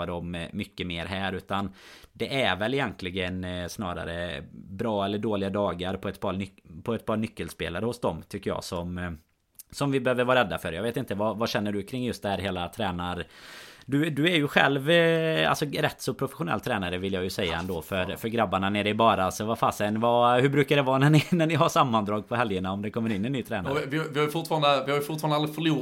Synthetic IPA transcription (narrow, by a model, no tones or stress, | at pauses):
ad̪ɔmːʏkːəmeːɾɦæːɾʉ̟ːt̪and̪ɛʔæɾvɛlːɪjɛnt̪ʰlɪɡənsnɑ̰ːɾa̰ɾə̰bɾɑːɛlːəɖoːlɪɡad̪ɑːɡaɾpʰɔɛt̪pʰɑʏpʰɔɛt̪̚pʰɑːɾnʏkːəlspḛːlaɾəhʊsd̪ɔmt̪ʰʏkːəjɑ̰ːsɔm | sɔmvɪbɛhøːvəɾvɑːɾɛd̪ːafœɾjɑɡveːt̪ɪnt̪əvavaɕɛnːəɖɵkʰɾɪŋːjɵst̪̚d̪ɛhæːɾɦeːlat̪ʰɾɛːnaɾd̪ɵd̪ɵæɾjɵɧɛ̰lva̰lsɔɾɛt̪ːsɔpʰɾʊfɛɧʊnɛ̰lːt̪ʰɾɛːnaɾəvɪljɑjɵsɛjːa̰ɛ̰nd̪oːfœɾfœɾɡɾabːaɳaneːɾəɪbɑːɾaalsɔvafaːsɛnvɑhɵbɾʉ̟ːkaɖ̪ɛvɑːnɛnɪnænɪɦaʂamːand̪ɾɑːɡ̚pʰɔɦɛljəɳaɔmd̪ɛkʰɔmːəɾɪnːɪɛnːyːt̪ʰɾɛːnaɾvɪvɪhajʏfʊʈ̪fɑːɾand̪əvɪhaɾjɵfʊt̪fɑːɾnalɾɪfœɭuː